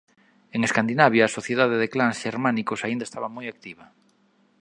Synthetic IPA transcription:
eŋeskand̪inaβ̞jaːsoθjeðaðeðeklansʃeɾmanikosaind̪aest̪a̰βamojak̚t̪iβɐ

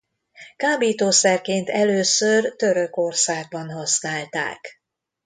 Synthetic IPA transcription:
kaːbiːt̪oːsɛrkeːnt̪ɛløːsørt̪ø̞ɾøko̞rsaːɡ̚bɒnɦɒsnaːlt̪a̰ːk

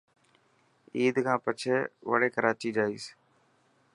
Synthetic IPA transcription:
iːd̪kʰãːpət͡ʃʰeːʋə̰ɽeːkəɾaːt͡ʃiːd͡ʒaːiːs

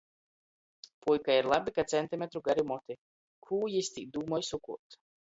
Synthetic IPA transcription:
pujkaiɾlˠabikat̪sɛnt̪ʲimʲet̪ɾuɡaɾimɔt̪i | kʰuːjist̪ʲikd̪uːmɔjsukuɔt̪

